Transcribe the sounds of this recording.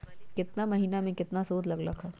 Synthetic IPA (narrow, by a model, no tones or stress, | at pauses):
kɪt̪namɐɦiːnamẽkɪt̪nasoːt̪lɐɡlɐkɦɛ